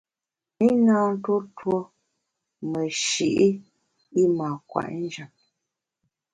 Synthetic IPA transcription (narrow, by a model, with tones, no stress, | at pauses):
i˦naː˦n̩˦to˦two˦ | mə˨ʃi˨ʔi˦ | i˦maː˨kwa̰˨ʔn̩˦d͡ʒa˨p̚